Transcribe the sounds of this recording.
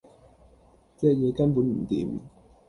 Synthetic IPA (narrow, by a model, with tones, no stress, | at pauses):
t͡sɛː˥k̚jɛː˨˧kɐ˥npuː˨˥nm̩˨˩t̪ḭː˨˦˥m